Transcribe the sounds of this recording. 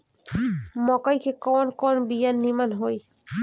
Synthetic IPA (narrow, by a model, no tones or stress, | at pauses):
mɔkajkʰekɔnkɔnbijanːimanɦoj